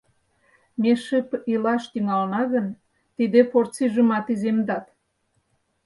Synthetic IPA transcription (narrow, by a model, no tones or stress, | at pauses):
meʃəpilɑʃt̪yŋɑlnɑɣən | t̪id̪efort͡siʒəmɑt̪izemd̪ɑt̪